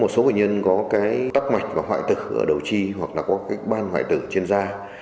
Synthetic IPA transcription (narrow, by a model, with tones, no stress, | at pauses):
mo˨˩t̚so˨˦wḛ˧˨˩ɲə˧nkɔ˨˦kaː˨˦jt̪a˦˥k̚ma˨˩jk̟̚vaː˨˩ɦwa̰ː˧˨jt̪ɨ˨˩ʔə̰ː˧˩ɗə˨˩wt͡ɕi˧ɦwa˨˩k̚laː˨˩kɔ˨˦kaː˨˦jk̚ɓaː˧nhwa̰ː˧˨jt̪ɨ˧˩t͡ɕi˧ənzaː˧